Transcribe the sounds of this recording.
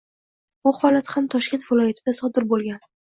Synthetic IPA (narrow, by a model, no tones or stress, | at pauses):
bʊhɒlat̪hamt̪ʰɒʃkʲe̞nt̪vɪlɒjat̪ʰɪd̪asɒd̪ɪɾbolˠɡʲan